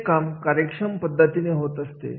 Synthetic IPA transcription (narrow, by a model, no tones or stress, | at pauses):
kamkaɾjəkʂəmpəd̪ʱːət̪ineɦot̪əst̪ḛ